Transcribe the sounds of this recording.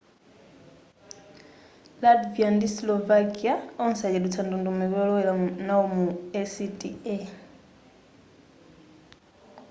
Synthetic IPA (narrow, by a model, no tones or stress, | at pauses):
ladviandislɔvakiaɔn̩sajɛlut͡sʰandundumɛβɔlɔwɛlanaomuɛsitʼiɛ